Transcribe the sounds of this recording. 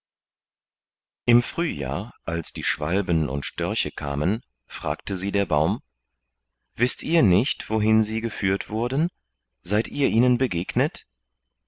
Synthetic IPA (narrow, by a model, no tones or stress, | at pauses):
ʔɪmfʁ̥yːja̰ːɐʔalsd̥iːʃv̥a̰lbənʔʊ̰ntʃtœɐçəkʰa̰ːmən | fʁ̥a̰ːktəziːdeːɐbaʊm | vɪstʔiːɐnɪçtv̥oɦɪnziːɡəfyːɐtv̥ʊɐdn̩ | z̥aɪtʔiːɐʔiːnənbəɡeːɡnət